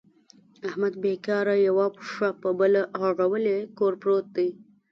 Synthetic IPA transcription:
ahmad̪̚bekɑɾajawɑpəʂapəbəlaaʐawəlekoɾpɾot̪̚d̪əj

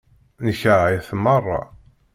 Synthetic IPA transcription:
nəçəʕiθmɑrˤːɑ̰

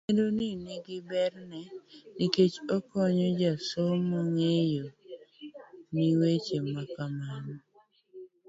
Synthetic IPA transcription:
kedoniniɡɪbɛrnɛniket͡ʃɔkɔɲɔd͡ʒasomɔŋejo | niwet͡ʃemakamanɔ

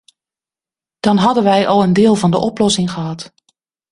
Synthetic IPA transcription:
d̥ɑnɦɑdənʋɛjʔɔlˠəndɪːlˠvɑndəʔɔplɔsɪŋχəɦɑt

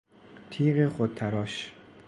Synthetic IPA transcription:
t̪ʰiːɢeχod̪̚t̪ʰæɾɒːʃ

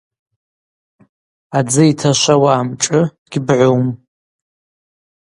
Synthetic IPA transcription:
ad͡zɨitʰaʃʷawaːmʈ͡ʂʼɨ | ɡ̥ʲbʕʷowm

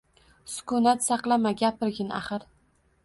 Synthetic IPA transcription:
sʊ̥kʰʊnat̪sɑqlˠamaɡʲapɪɾɡʲɪna̰χɨɾ

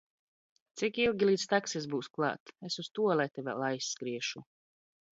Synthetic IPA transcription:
t̪sikilˠɡʲilˠiːt̪st̪aksez̬buːsklˠɑ̰ːt̪esust̪uɔlˠajt̪ɛvʲalˠajsːkɾiɛʃu

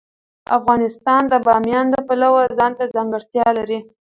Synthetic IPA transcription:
a̰fɣɑnɪst̪ɑnd̪əbɑmjɑnd̪əpalawəzɑnt̪azɑŋɡəɽt̪jɑlaɾi

